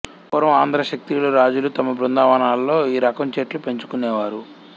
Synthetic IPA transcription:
pɔɾɐmaːnd̪ʱɾɐʃɐk̚t̪ijlɐɾaːd͡ʒulut̪ɐmɐbɾund̪aːʋɐnaːllːo̞ːiːɾɐkɐmt͡ʃeːʈlupe̞ɲt͡ʃu̥kunɛːʋaːɾu

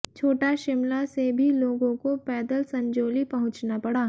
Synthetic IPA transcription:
t͡ʃʰoːʈaʃɪmlasebʱiloːɡõkopɛːd̪əlsɐ̃ɲd͡ʒoːlipɐɦʊ̃t͡ʃnapɐɽaː

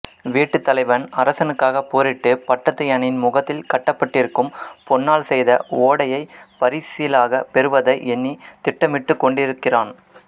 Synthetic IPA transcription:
ʋiːʈːɯt̪ːɐlɐɪʋɐnɐɾɐsɐnɯkːaːɣɐpoːɾɪʈːɯpɐʈːɐt̪ːɐjɐnɪnmʊɣɐt̪ːɪlkɐʈːɐpːɐʈːɪɾɯkːɯmpɔnːaːlsɛjðɐoːɽɐjɐɪpɐɾisɪjɪlaːɣɐpɛɾɯʋɐðɐɪʔɛnːit̪ɪʈːɐmɪʈːɯkːɔɳɖɪɾɯkːɪraːn

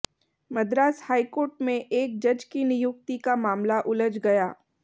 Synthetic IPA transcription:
mɐd̪ɾaːshaːikoːɾʈmẽʔeːk̚d͡ʒɐd͡ʒkinɪjʊk̚t̪ikamaːmlaʔʊləd͡ʒɡɐjaː

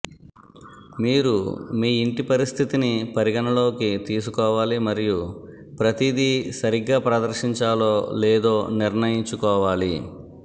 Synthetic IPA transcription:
miːɾumiːiɳʈipɐɾist̪ʰit̪inipɐɾiɡɐnɐlo̞ːkit̪iːs̬ukɔːʋaːlimɐɾiju | pɾɐt̪id̪isɐɾiɡːaːpɾɐd̪ɐɾʃiɲt͡ʃaːlo̞ːlɛːd̪o̞ːniɾnɐjiɲt͡ʃukɔːʋaːli

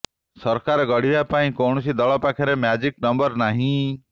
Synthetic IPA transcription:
sɔɾkaɾeɡɔɽibapaĩkowɳ̃ɔsid̪ɔɭɔpakʰaɾemjad͡ʒiknɔmbɔɾnaɦĩ

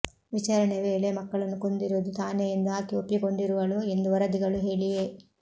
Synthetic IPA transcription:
ʋit͡ʃaːɾɐɳeʋe̞ːɭemɐkːɐɭɐnːuko̞nd̪iɾuʋd̪ut̪aːneind̪aːkiopiko̞ɳɖiɾuʋɐɭue̞nd̪uʋɐɾɐd̪iɡɐɭuɦeːɭije

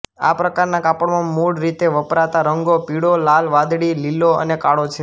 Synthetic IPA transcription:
a̰pɾəkaɾnakapəɽmãmuɽɾit̪eʋəpɾat̪aɾəŋɡopiɽolalʋad̪ɽililoə̰nekaɽot͡ʃʰe

